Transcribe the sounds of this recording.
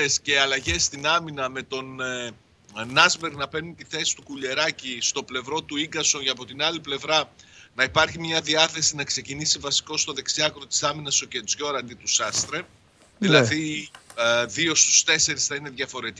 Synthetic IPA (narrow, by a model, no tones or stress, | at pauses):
esce̞ɐlɐʝe̞st̪inɐminɐme̞t̪o̞n | nɐzbeɾɣnɐpe̞nunt̪iθe̞si̥t̪ukuʎe̞ɾɐcist̪o̞ple̞vɾo̞t̪uiŋɡɐso̞nʝɐpo̞t̪inɐliple̞vɾɐnɐipɐɾçimɲɐðiɐθe̞sinɐkse̞cinisivɐsi̥ko̞st̪o̞ðe̞ksiɐkɾot̪i̥sɐminɐso̞ce̞zʝo̞ɾɐnd̪it̪usɐst̪ɾe | ðilɐði | ðio̞st̪u̥st̪e̞se̞ɾisθɐine̞ðʝɐfo̞ɾe̞t̪i